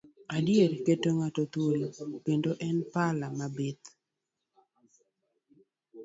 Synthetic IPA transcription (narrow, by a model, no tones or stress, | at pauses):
adjerketoŋatot̪wolokendoʔɛnpalamabet̪